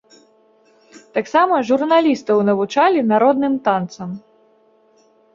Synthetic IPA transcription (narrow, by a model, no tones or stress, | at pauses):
t̪aksamɐʐurnalʲist̪ɐwnɐvut͡ʂalʲinaɾɔd̪nɨmt̪ant̪sɐm